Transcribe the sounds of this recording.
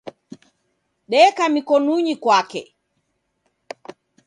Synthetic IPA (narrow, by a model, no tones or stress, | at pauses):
ɗɛkamikɔnuɲikwakɛ̰